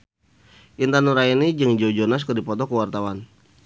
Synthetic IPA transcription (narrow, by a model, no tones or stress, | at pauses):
ʔint̪anuɾainid͡ʒəŋd͡ʒɔd͡ʒɔnas̬kərdipɔt̪ɔkəwart̪awan